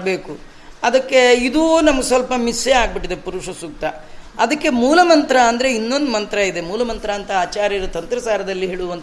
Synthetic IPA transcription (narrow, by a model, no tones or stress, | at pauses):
be̞ːku | ɐd̪ɐkːe̞id̪unɐmɐɡesʋɐlpɐmiseaːɡ̚biʈid̪epuɾuʂɐsuk̚t̪ɐ | ɐd̪ɐkːe̞muːlɐmɐnt̪ɾɐːnd̪ɐɾe̞inːo̞nd̪umɐnt̪ɾɐid̪e̞muːlɐmɐnt̪ɾɐːnt̪ɐaːt͡ʃaːɾjɐɾɐt̪ɐnt̪ɾɐsaːɾɐd̪ɐlːiɦiɭuʋɐnt̪